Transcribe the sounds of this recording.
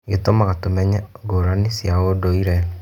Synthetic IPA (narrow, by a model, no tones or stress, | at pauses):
ɡetomaɣatomɛɲɛɡoɾanisjaodoiɾɛ